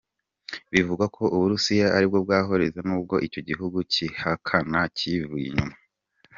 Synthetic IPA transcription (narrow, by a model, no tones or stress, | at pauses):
βivuɡakʰo̞ʔuβuɾusijaʔaɾib̚ɡo̞b̚ɡaːɦo̞ɾe̞zanuːb̚ɡo̞ʔico̞ɟiɦuɡucihakʰanacivujḭɲuma